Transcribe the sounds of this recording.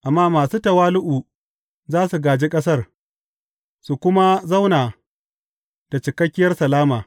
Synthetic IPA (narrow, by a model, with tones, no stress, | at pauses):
ʔa˨mːaː˦maː˨suː˦tɐ˨waː˦lʊ˦ʔuː˨ | zaː˦su˨ɡaː˨d͡ʒiː˦kʼɐ˦s̬ɐ˦r | su˨kʷʊ˦ma˦zɐ˦wnaː˨ | d̥a˨t͡ʃɪ˨kɐ˦kʲːɪ˦jɐ˦rsɐ˨laː˦maː˨